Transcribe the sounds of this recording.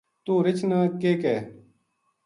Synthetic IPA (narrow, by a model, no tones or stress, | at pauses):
t̪uːɾɪt͡ɕnəkeːkɛː